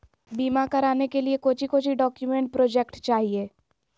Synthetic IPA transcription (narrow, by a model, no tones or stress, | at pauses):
biːmakɐɾaːnekeliekoːt͡ʃʰikoːt͡ʃʰiɖɔːkjumẽɳʈ̚pɾoːd͡ʒekʈt͡ʃaːɦieː